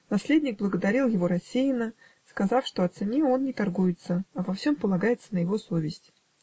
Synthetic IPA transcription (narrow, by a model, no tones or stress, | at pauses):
nɐsʲlʲedʲnʲɪɡ̚blˠəɡəd̪ɐɾʲilˠjɪvo̞ɾɐsʲːejɪnə | skɐzɑfʂt̪o̞ɐt̪sɨnʲio̞nnʲɪt̪ɐrɡujɪt̪səɐvɐfsʲo̞mpəlˠɐɡajɪt̪sənəjɪvo̞so̞vʲɪsʲtʲ